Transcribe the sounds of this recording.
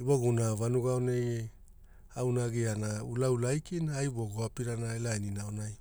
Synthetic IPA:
iboɡunaβanuɡaonej | awnaɡianaulaulajkinaːjbo̞ɡoapiɾanaelajninaonaj

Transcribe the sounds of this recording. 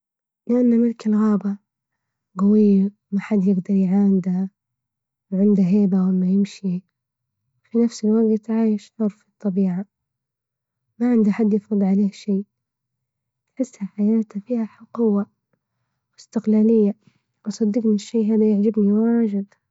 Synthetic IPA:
lɪʔanːamɪlkalɣaːba | ɡawɪjːa | maħad̪jɪɡd̪ɑɾˤjʕaːnɪd̪a | wʕɪnd̪aɦeːbawɪlːajɪmʃi | finafsɪlwaɡt̪ʕaːjɪʃʕɑɾˤfɨt̪ˤːɑbiːʕa | maʕɪnd̪aħad̪ːjɪfɾɨd̪ˤʕaleːhʃeː | ħɪsːhaħajaːt̪afiːhaħʊqʊwːa | wɪst̪ɪqlaːlɪjːa | wʔɑsˤɑd̪ːiːɡmɪnɪʃːeːɦaːd̪ajɪʕd͡ʒabniwaːd͡ʒɪd̪

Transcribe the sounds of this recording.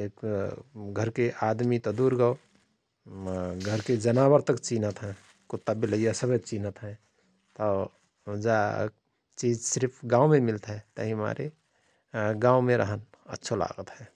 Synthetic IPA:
ek | ɡʱəɾkeʔad̪mit̪ɔd̪uɾɡəo | ɡʱəɾked͡ʒənabəɾt̪əkt͡ʃinət̪ɦɛ̃ | kut̪ːabiləjasəbʱet͡ʃinət̪ɦɛ̃ | t̪ɔ | d͡ʒa | t͡ʃid͡ʒsiɾpʰɡãumemilt̪ɦɛt̪əɦima̰ɾʔe | ɡawmeɾə̰ɦən | ə̰tːʃʰola̰ɡət̪ɦɛ̃

